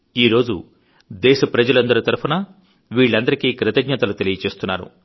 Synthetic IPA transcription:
iːɾo̞ːd͡ʒu | d̪ɛːʃɐpɾɐd͡ʒɐlɐnd̪ɐɾit̪ɐɾupʰunɐ | ʋiːɭːɐnd̪ɐɾikiːkɾɐt̪ɐɡɲɐt̪ɐlut̪e̞lijɐt͡ʃe̞ːst̪unːaːɾṵ

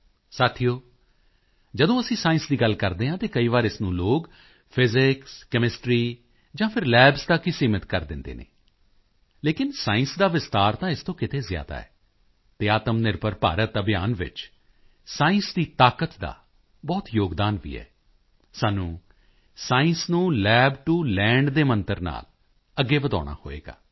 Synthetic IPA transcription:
saːt̪ʰijoː | d͡ʒəd̪õːəsĩːsaːɪ̃nsd̪iːɡəlkəɾd̪eːɦãːt̪eːkəiːʋaːɾɪsnũːloːɡ | pʰɪzɪkskɛmɪsʈɾiː | d͡ʒãːpʰɪɾlɛːbsd̪aːkɪsiːmɪt̪kəɾd̪ɪnd̪ḛːnḛː | leːkɪnsaːɪ̃nsd̪aːʋɪst̪aːɾt̪ãːɪst̪õːkɪt̪ʰeːzja̰ːd̪a̰ːɛ̰ː | t̪eːaːt̪əmnɪɾpəɾpa̰ːɾət̪əbjaːnʋɪ̰t͡ʃ | saːɪ̃nsd̪iːt̪aːkət̪d̪a̰ː | bɔːt̪joːɡd̪aːnʋḭːɛ̰ː | saːnũː | saːɪ̃nsnũːlɛːbʈulɛ̃ːɳɖd̪eːmənt̪əɾna̰ːl | əɡːeːʋəd̪a̰ːɽ̃a̰ːho̰ːḛːɡa̰ː

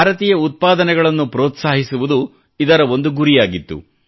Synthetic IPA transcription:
bʱaːɾɐt̪iːjɐut̪̚paːd̪ɐnɛɡɐɭɐnːupɾɔːt̪saːɦisuʋud̪u | id̪ɐɾɐo̞nd̪uɡuɾijaːɡit̪ːṵ

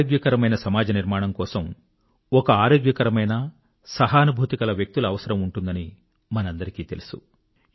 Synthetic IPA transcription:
oːɡjɐkɐɾɐmɐjnɐsɐmaːd͡ʒɐniɾmaːɳɐmkɔːsɐm | ɔkɐaːɾoːɡjɐkɐɾɐmɐjnɐ | sɐɦɐːnubʱuːt̪ikɐlɐʋjek̚t̪ulɐːʋɐsɐɾɐmuɳʈund̪ɐni | mɐnɐnd̪ɐɾikiːt̪e̞lusu̥

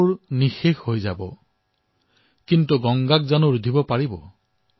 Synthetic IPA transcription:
ɹnixexɦojza̰bɔ̰ | kintuɡɔŋɡak̚zanʊɹudʱibɔpaɹibɔ̰

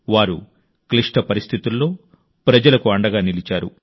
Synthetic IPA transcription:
ʋaːɾu | kliʂʈɐpɐɾist̪ʰit̪ulːo̞ː | pɾɐd͡ʒɐlɐkuɐɳɖɐɡaːnilit͡ʃaːɾṵ

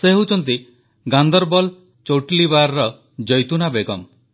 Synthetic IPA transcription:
seɦot͡ʃʰɔnt̪̬i | ɡand̪ɔɾbɔl | t͡ʃoʈilibaɾɾɔ | d͡ʒɔjt̪unabeɡɔm

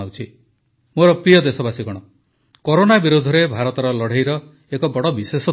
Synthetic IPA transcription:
awt͡ʃʰi | moɾɔpɾijɔd̪esɔbasiɡɔɽ̃ɔ | koɾonabiɾud̪ʱɔɾebʱaɾɔt̪ɔɾɔlɔɽ̤ejɾɔ | ekɔbɔɽɔbisesɔ

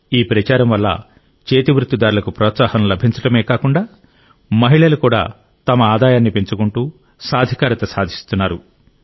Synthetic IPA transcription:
iːpɾɐt͡ʃaːɾɐmʋɐlːɐ̰ | t͡ʃeːt̪iʋɾut̪ːid̪aːɾulɐkupɾɔːt̪saːhɐmlɐbʱiɲt͡ʃɐʈɐmeːkaːkuɳɖaː | mɐɦiɭɐlukuːɽa̰ː | t̪ɐmɐaːd̪aːjaːnːipeɲt͡ʃukuɳʈuː | saːd̪ʱikaːɾɐt̪ɐsaːd̪ʱist̪unːaːɾu

